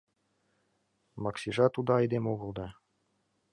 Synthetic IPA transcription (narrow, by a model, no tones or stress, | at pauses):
mɑksʲiʐɑt̪ud̪ɑɑjd̪emoɣɤ̆lˠd̪ɑ